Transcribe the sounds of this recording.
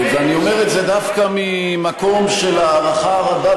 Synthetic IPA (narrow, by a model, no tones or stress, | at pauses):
veanio̞me̞ʁetze̞d̪afkami | mako̞mʃelaːʁaχaʁad̪a